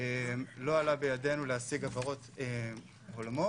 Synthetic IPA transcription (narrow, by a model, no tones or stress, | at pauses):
emlo̞alabejade̞nulehasiɡavaʁo̞te | olamo